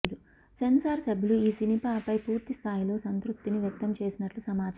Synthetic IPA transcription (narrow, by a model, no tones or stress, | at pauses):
lu | sensaːɾsɐbʱiluiːsinipaːpɐjpuːɾt̪ist̪ʰaːjilo̞ːsɐnt̪ɾup̚t̪ːiniʋjɐk̚t̪ɐmt͡ʃe̞ːsinɐʈlusɐmaːt͡ʃ